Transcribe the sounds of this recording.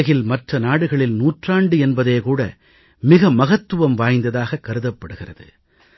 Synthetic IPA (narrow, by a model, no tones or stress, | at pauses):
ɐɣɪlmɐʈrɐnaːɽɯɣɐɭɪlnuːʈraːɳɖɯɛnbɐðeːkuːɽɐ̰ | mɪɣɐmɐɣɐt̪ːɯʋɐmʋaːjnd̪ɐðaːɣɐkːɐɾɯðɐpːɐɽɯɣɪrɐðɯ̰